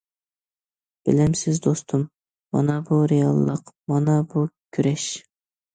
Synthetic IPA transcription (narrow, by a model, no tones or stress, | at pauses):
b̥ɪ̰lɪmsɪzd̪ost̪ʰumː | ɑ̰nɑbuɾejɑlˠːəqmɑnɑbukʲʰyɾɛʃ